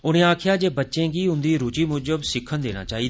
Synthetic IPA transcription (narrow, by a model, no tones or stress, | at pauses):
ʊɽ̃ẽːaːkʰɪjaːd͡ʒeːbətːʃẽːɡiːʊnd̪iːɾʊt͡ʃiːmʊd͡ʒəbsɪkʰːənd̪eːɽ̃a̰ːt͡ʃaːɦiːd̪